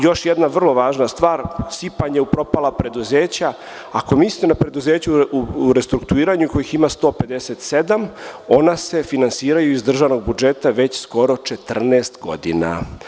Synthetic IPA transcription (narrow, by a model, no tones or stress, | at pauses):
jo̞ʃjed̪naʋr̩lˠo̞ʋaːʒnast̪ʋaːɾsipaɲeupɾo̞palapɾe̞d̪uzeːt͡ɕa | ako̞miːsʲunapɾed̪uzeːt͡ɕuuɾest̪ɾukt̪uiːɾaɲuko̞jiximast̪o̞pe̞d̪eset̪se̞d̪amo̞nase̞finansiːɾajuizd̪r̩ʒaʋno̞ɡ̚bud͡ʒe̞t̪aʋe̞t͡ɕsko̞ɾo̞t͡ʃet̪r̩neːst̪ɡo̞̰d̪ḭna̰